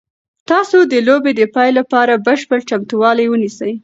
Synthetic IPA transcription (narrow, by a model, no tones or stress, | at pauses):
t̪ɑsod̪əlobed̪əpɑjlapɑɾabəʃpəɽt͡ʃamt̪uwɑlajwənisəj